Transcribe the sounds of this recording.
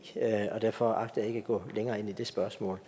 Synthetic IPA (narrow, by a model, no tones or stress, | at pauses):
øɒ̽d̥æɐfɒ̽ɑ̈ɡ̥d̥̩æe̝ɡ̥æɡ̥ɔ̰̽ːleŋɐːe̝n̰id̥e̝sb̥ɶɐsmɔ̰ːl